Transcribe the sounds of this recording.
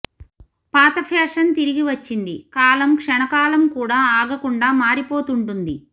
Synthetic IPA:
paːt̪ɐpʰɛːʂɐnt̪iɾiɡiʋɐt͡ʃːind̪ikaːlɐmkʂɛɳɐkaːlɐmkuːɽaːaːɡɐkuɳɖaːmaːɾipoːt̪uɳʈund̪i

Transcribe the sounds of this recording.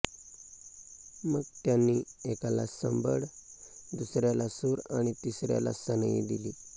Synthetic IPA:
məɡt̪janːiːekala̰səmbəɽd̪usɾjalasuɾaɽ̃it̪isɾja̰la̰sənəjḭd̪iliː

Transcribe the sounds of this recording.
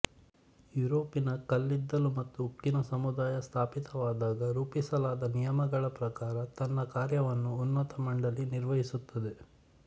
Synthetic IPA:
juɾoːpinɐkɐlːid̪ːɐlumɐt̪ːuːpːinɐsɐmud̪aːjɐst̪ʰaːpit̪ɐʋaːd̪aːɡɐɾuːpisɐlaːd̪ɐnijɐmɐɡɐɭɐpɾɐkaːɾɐt̪ɐnːɐkaːɾjɐʋɐnːuːnːɐt̪ɐmɐɳɖɐliniɾʋɐɦisut̪ːɐd̪e̞

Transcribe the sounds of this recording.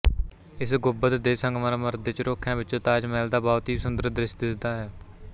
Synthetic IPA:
ɪsɡʊbət̪d̪eːsə̃ŋɡmaːɾaːməɾd̪eːt͡ʃɾoːkʰːãːʋɪt͡ʃːt̪aːd͡ʒmɛːld̪aːbɔːt̪ɦiːsʊnd̪əɾd̪ɾɪʃt̪d̪aːɦɛː

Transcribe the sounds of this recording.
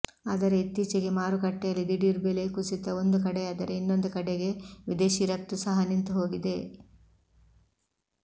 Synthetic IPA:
aːd̪ɐɾe̞it̪ːiːt͡ʃɛɡe̞maːɾukɐʈːɛjɐlːid̪iɽiɾbelekusit̪ɐo̞nd̪ukɐɽeaːd̪ɐɾeinːo̞nd̪ukɐɽeɡe̞ʋid̪e̞ːʃiɾɐk̚t̪ːusɐɦɐnint̪uɦo̞ːɡid̪e̞

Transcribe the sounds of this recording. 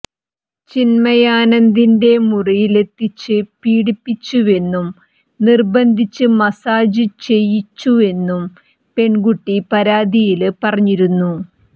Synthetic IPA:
t͡ɕinmɐjaːnɐnd̪inde̞murijile̞t̪ːit͡ɕːɨpiːɽipːit͡ɕːue̞nːum | nirbɐnd̪ʱit͡ɕːɨmɐsaːd͡ʑɨt͡ɕe̞jːit͡ɕːue̞nːum | pe̞ɳɡuʈːipɐɾaːd̪ijilpɐrɐɲːiɾunːu

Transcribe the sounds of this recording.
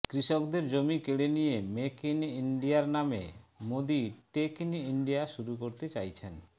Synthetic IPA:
kɾiʃokd̪eɾd͡ʑomikeɽenijemekiniɳɖijaɾnamḛmod̪iʈekiniɳɖijaʃuɾukoɾt̪et͡ɕajt͡ɕʰen

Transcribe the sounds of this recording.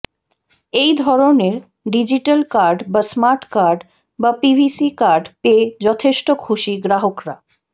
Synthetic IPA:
ejd̪ʱɔɾoneɾ | ɖid͡ʑiʈalkaɾɖbasmaɾʈkaɾɖ | bapibʱisikaɾɖped͡ʑɔt̪ʰeʃʈokʰuʃiɡɾaɦokɾa

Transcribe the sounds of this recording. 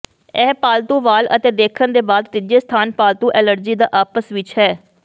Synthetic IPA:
ɛːpaːlt̪ũːʋaːlə̰t̪eːd̪eːkʰənd̪eːbaːd̪t̪ɪd͡ʒeːst̪ʰaːnpaːlt̪ũːʔɛːləɾd͡ʒiːd̪aːʔaːpəsʋɪt͡ʃɦɛː

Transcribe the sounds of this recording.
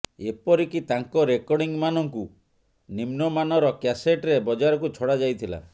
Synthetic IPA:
epɔɾikit̪aŋkɔɾekɔɽiŋmanɔŋku | nimnɔmanɔɾɔkaseʈɾebɔd͡ʒaɾɔkut͡ʃʰɔɽad͡ʒajt̪ʰila̰

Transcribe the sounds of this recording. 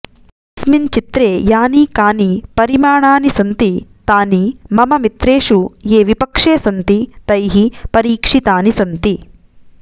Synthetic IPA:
smint͡ʃit̪ɾeːjaːnikaːnipɐɾimaːɳaːnisɐnt̪it̪aːnimɐmɐmit̪ɾeːʂujeːʋipɐkʂeːsɐnt̪it̪ɐjɦipɐɾiːkʂit̪aːnisɐnt̪i

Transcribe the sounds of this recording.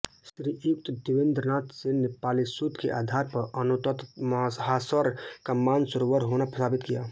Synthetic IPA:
sɾijʊk̚t̪d̪ɪʋẽnd̪ɾənaːt̪senepaːlisut̪kḛʔa̰ːd̪ʱaːɾpɐɾɐnʊt̪ət̪mɦaːsəɾkamːaːnsʊɾoʋaɾɦoːnapɾət̪ʰaːbɪt̪kijaː

